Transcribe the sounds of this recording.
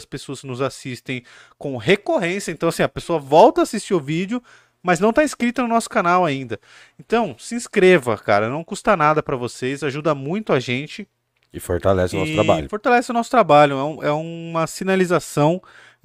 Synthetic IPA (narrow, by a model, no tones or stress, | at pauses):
ɐspesoɐsnʊzasist̪ẽj̃ | kõw̃ɦekoɦẽsjɐẽnt̪ɐ̃w̃asĩɐpesoɐvɔwt̪ɐːsist͡ʃiʊvid͡ʒʊ | mɐznɐ̃w̃t̪aiskɾit̪ɐnʊnɔsʊ̥kanawaĩnd̪ɐ | ẽnt̪ɐ̃w̃sĩskɾevɐka̰ɾɐnɐ̃w̃kust̪anad̪ɐpɾɐvosezaʒud̪ɐmũj̃t̪ʊaʒẽnt͡ʃɪ | ɪfoɾt̪alɛsɪʊnɔ̰sʊt̪ɾabaʎʊfoɾt̪alɛsɪʊnɔsʊ̥t̪ɾabaʎʊɛũʔɛũmɐsinalizasɐ̃w̃